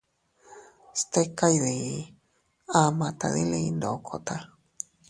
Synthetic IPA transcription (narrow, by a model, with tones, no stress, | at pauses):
st̪e˦ka˦jði˨ | a˦mã˨t̪a̰˨ðḭ˦li˧nd̪o˨kʰo˨t̪a